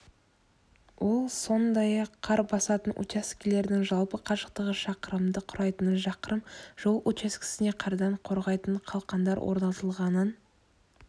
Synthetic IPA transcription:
wo̞lˠso̞nd̪ɑjɑqʰːɑɾbɑsɑt̪ənʔṵt͡ʃaskʲɪle̞ɾd̪ɪŋʒɑlˠpəqʰɑʒəqt̪əʁəʃɑqəɾəmd̪əqʰʊɾɑjt̪ənʒɑqəɾəmʒ̥o̞lˠʔut͡ʃaskʲɪ̥sɪne̞qʰɑɾd̪ɑɴqʰo̞ɾʁɑjt̪əɴqʰɑlˠqɑnd̪ɑɾwʔo̰ɾnɑt̪əlˠʁɑnən

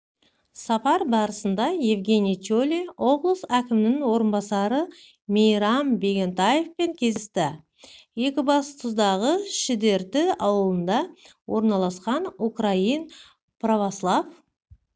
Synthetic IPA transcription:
sɑpɑɾbɑɾəsənd̪ɑje̞vɡʲe̞nʲijt͡ʃolʲio̞blˠəsækʲɪmɪnɪŋwo̞ɾənbɑsɑɾə | mejɾɑmbe̞ɡʲe̞nt̪ɑje̞fpe̞ŋkʲʰe̞zɪst̪ɪ | je̞kʲɪbɑst̪ʰʊzd̪ɑʁəʃɪd̪e̞ɾd̪ɪɑwəlˠənd̪ɑ | wo̞ɾnɑlˠɑsqɑnukrajin | provoslˠɑv

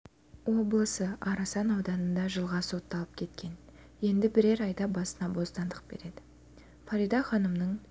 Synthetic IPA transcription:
wo̞blˠəsəɑɾɑsɑnɑwd̪ɑnənd̪ɑʒəlˠʁɑso̞t̪ːɑlˠəp̚kʲʰe̞t̪kʲʰe̞n | je̞nd̪ɪbɪɾe̞ɾɑjd̪ɑbɑsənɑbo̞st̪ɑnd̪əq̚b̥e̞̰ɾe̞d̪ɪ̥ | faɾijd̪ɑχɑnəmnəɴ

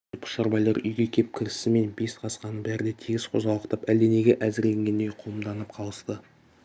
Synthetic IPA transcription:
pʰʊ̥ʃɑɾbɑjlˠɑɾʏ̰jɡʲe̞kʲʰe̞p̚kʲʰɪɾɪsɪme̞nbe̞sqʰɑsqɑnəbæɾɪd̪et̪ʰiɡʲɪzqʰo̞̰zɑlˠəqt̪ɑpæld̪e̞ne̞ɡʲeʔæzɪɾle̞ŋɡʲe̞nd̪ejqʰomd̪ɑnəpqʰɑlˠəst̪ə

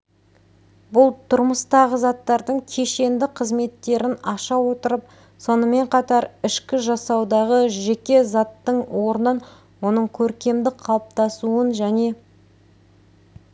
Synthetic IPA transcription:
bʊlˠt̪ʰʊɾməst̪ɑʁəzɑt̪ːɑɾd̪əŋkʲʰe̞ʃe̞nd̪ɪqʰəzme̞t̪ːe̞ɾɪnɑʃɑwo̞t̪əɾəp̚ | so̞nəme̞ɴqʰɑt̪ɑɾɪʃkʲɪʒɑsɑwd̪ɑʁəʒe̞kʲe̞zɑt̪ːəɴwo̞ɾnən | wo̞nəɴkʲʰɵɾkʲe̞md̪ɪqʰɑlˠəp̚t̪ɑsuənʒæne̞

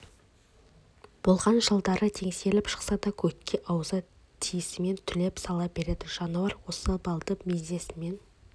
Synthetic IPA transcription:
b̥o̞lˠʁɑnʒəlˠd̪ɑɾət̪ʰe̞ŋse̞lɪpʃə̥qsɑd̪ɑkʲʰɵkʲːe̞ʔɑwəzə | t̪ʰijɪsɪme̞nt̪ʰʏle̞psɑlˠɑp̚b̥e̞ɾe̞d̪ɪʒ̥ɑnuɑɾwo̞səbɑlˠt̪əpmezd̪e̞sɪme̞n

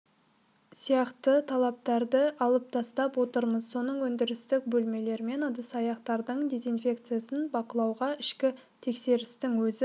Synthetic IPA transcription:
sijɑqt̪ət̪ʰɑlˠɑp̚t̪ɑɾd̪əɑlˠəp̚t̪ʰɑst̪ɑpwo̞t̪əɾməzso̞nəɴwɵnd̪ɪɾɪst̪ɪk̚bɵlme̞le̞ɾme̞nəd̪əsɑjɑqt̪ɑɾd̪əɴd̪ʲe̞zijnfʲe̞kt̪sɨjasənbɑqəlˠɑwʁɑɪʃkʲɪt̪ʰe̞kse̞ɾɪst̪ɪŋwɵzɪ

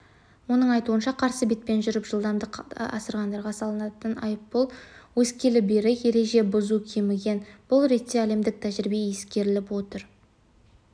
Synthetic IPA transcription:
wo̞nəɴɑjt̪uənʃɑqʰɑɾsəbet̪̚pe̞nʒʏɾɪpʒəlˠd̪ɑmd̪əɑ̰səɾʁɑnd̪ɑɾʁɑsɑlˠənɑt̪ənɑ̰jəpːolˠwɵskʲe̞lɪbeɾɪkje̞ɾe̞ʒe̞bʊzukʲʰemɪɡʲe̞nb̥ʊlˠɾe̞t̪ːe̞æle̞md̪ɪk̚t̪ʰæʒɪɾɪbe̞je̞skʲe̞ɾɪlɪpwo̞t̪əɾ

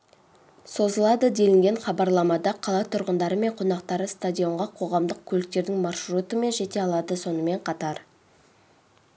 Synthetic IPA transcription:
so̞zəlˠɑd̪əd̪e̞lɪŋɡʲe̞ɴχɑbɑɾlˠɑmɑd̪ɑqʰɑlˠɑt̪ʰʊɾʁənd̪ɑɾəme̞ɴqʰo̞nɑqt̪ɑɾəst̪adʲijo̞ɴʁɑqʰo̞ʁɑmd̪əq̚kʲʰɵlɪk̚t̪e̞ɾd̪ɪŋmɑrʃrut̪əme̞nʒe̞t̪e̞ɑlˠɑd̪əso̞nəme̞ɴqʰɑt̪ɑɾ

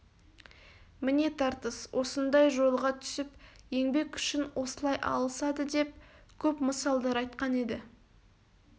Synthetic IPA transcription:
mɪne̞t̪ʰɑɾt̪əswʔo̞sənd̪ɑjʒo̞lˠʁɑt̪ʰʏ̥sɪpje̞ŋbe̞kʏʃɪnwʔo̞səlˠɑjʔɑ̰lˠəsɑd̪əd̪e̞p̚kʲʰɵpməsɑlˠd̪ɑɾɑjt̪qɑne̞d̪ɪ

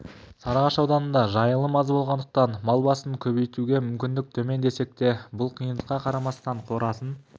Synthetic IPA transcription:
sɑɾɑʁɑʃɑwd̪ɑnənd̪ɑʒɑjəlˠəmɑzbo̞lˠʁɑnd̪əq̚t̪ɑnmɑlˠbɑsəŋkʲʰɵβejt̪uɡʲe̞mʏmkʲɪnd̪ɪk̚t̪ʰɵme̞nd̪e̞se̞k̚t̪e̞bʊlˠqʰijənd̪əqɑqʰɑɾɑmɑst̪ɑɴqʰo̞ɾɑsən

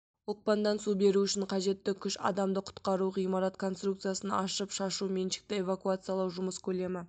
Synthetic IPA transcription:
ʊlq̚pɑnd̪ɑnsube̞ɾuʏʃɪɴqʰɑʒe̞t̪ːɪkʲʰʏʃɑ̰d̪ɑmd̪əqʰʊ̥t̪qɑɾuʁijmɑɾɑt̪kʰo̞nst̪ruk̚t̪sɨjasənɑʃəpʃɑʃume̞nʃɪ̥k̚t̪ɪe̞vakuat̪sɨjalˠɑwʒʊməskʲʰɵle̞mɪ

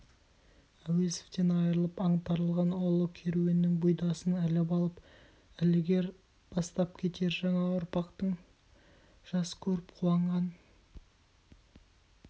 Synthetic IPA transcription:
æwese̥ft̪e̞nɑjəɾəlˠəpɑɴt̪ɑɾəlˠʁɑnolˠəkʲʰe̞ɾuje̞nːɪŋbujd̪ɑsənælɪpɑlˠəp | ɪlɪɡʲe̞ɾ | b̥ɑst̪ɑp̚kʲʰe̞t̪e̞ɾʒɑɴɑʊɾpɑqt̪əɴ | ʒ̥ɑsə̥kʲʰɵɾɪpqʰulˠɑɴʁɑn

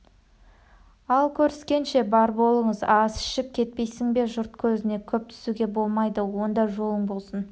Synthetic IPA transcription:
ɑlˠkʲʰɵɾɪskʲe̞nʃe̞bɑɾbo̞lˠəɴəzɑzɪ̥ʃɪp̚kʲʰe̞t̪̚pe̞jsɪŋbe̞ʒʊɾt̪̚kʲʰɵzɪne̞kʲʰɵp̚t̪ʰʏ̥suɡʲe̞bo̞lˠmɑjd̪əwo̞nd̪ɑʒo̞lˠəɴbo̞lˠsən

